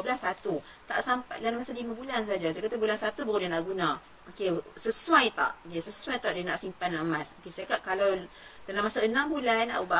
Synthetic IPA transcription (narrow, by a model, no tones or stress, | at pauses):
blasat̪u | t̪a̰ʔsampajlalmasalimãbulans̬aad͡ʒad͡ʒakat̪əbulansat̪ubəɣudanaʔɡunã | okesəsuajt̪a̰ʔokesəsuajt̪aʔdənaʔsimpanlaʔəmasmokesakaʔkalawdalamasaənãmbulanːa̰ʔuba